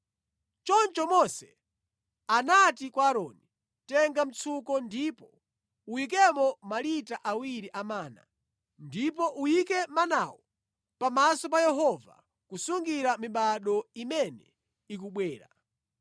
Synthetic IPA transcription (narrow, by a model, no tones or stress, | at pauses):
t͡ʃɔnt͡ʃɔmɔsɛ | anatikwaːɾɔni | tɛŋɡam̩t͡sʰukɔndipɔ | ujik̬ɛmɔmalitaʔawiɾiʔamaːna̰ | ndip̬ɔʔujikɛmanawɔ | pamasɔp̬ajɛɦɔva̰ | kusuŋɡiɾamiɓaɗɔimɛnɛ | ik̬uɓwɛːɾa̰